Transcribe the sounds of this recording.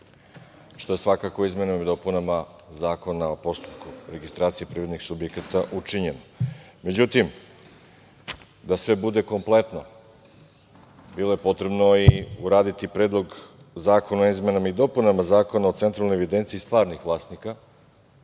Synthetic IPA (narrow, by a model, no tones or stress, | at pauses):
ʃt̪o̞esʋakakoizme̞namid̪o̞punamazaːko̞naopo̞st̪u̥pkuɾe̞ɡist̪ɾaːt̪siepɾiːʋɾed̪nixsubjekat̪aʔut͡ʃiɲeno | me̞d͡ʑut̪im | d̪asʋe̞bud̪e̞ko̞mplˠe̞t̪no̞ | bilˠo̞je̞po̞t̪ɾe̞bnoiuɾaːd̪it̪ipɾeːd̪lˠo̞ɡ | zaːko̞naoizme̞namid̪o̞punamazaːko̞nao̞t̪sent̪ɾalnoeʋid̪e̞nt̪siːst̪ʋaːɾnixʋlˠaːst̪nika